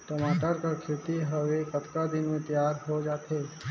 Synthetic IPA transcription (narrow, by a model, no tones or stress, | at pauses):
t̪omaːʈəɾkakʰɪt̪iɦəʋekəɐt̪kad̪ɪnmẽt̪əjaːɾɦod͡ʒaːt̪ʰeː